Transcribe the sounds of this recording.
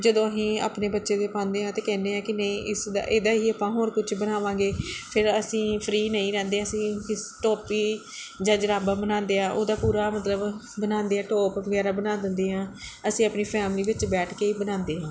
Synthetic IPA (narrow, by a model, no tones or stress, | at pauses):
d͡ʒəd̪õːəsĩːa̰ːpneːbətːʃeːd̪eːpãːnd̪eːɦãːt̪eːkɛ̃ːnd̪eːãːkɪnəĩːʔɪsd̪a̰ʔeːd̪aːɦiːəpãːɦoːɾkʊt͡ʃʰbənaːʋãːɡeːpʰɪɾəsĩːpʰɾiːnəĩːɾɛ̃ːnd̪eːãːəsĩːɪsʈɔːpiː | d͡ʒaːd͡ʒəɾaːbaːbənãːnd̪eːãːʔo̰ːd̪aːpuːɾaːmət̪ləb | bənaːnd̪eːɛːʈɔːpʋəɡɛːɾaːbənãːd̪ɪnd̪eːɦãːəsĩːaːpniːpʰɛːmliːbɪt͡ʃbɛːʈʰkeːiːbənãːnd̪eːɦãː